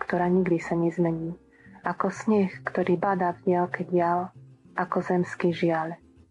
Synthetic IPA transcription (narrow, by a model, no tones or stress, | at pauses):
kt̪ɔɾaːɲiɡd̪isaɲɛzmɛɲiː | ʔakɔsɲɛxkt̪ɔɾiːbad̪aːvɟɪalkɛɟɪal | ʔakɔzɛmskiːʒɪal